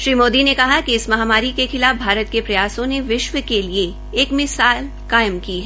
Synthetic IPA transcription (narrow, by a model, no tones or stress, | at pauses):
ʃɾiːmoːd̪inekɐɦakiɪsmɐɦaːmaːɾikexɪlaːfbʱaːɾət̪̚kepɾɐjaːsõneʋɪʃʋəkelieː | kmɪsaːl | kaːɪmkiɦɛ